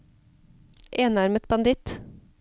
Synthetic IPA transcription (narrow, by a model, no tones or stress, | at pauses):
ʔeːnɑɾmət̪bɑnd̪ɪt̪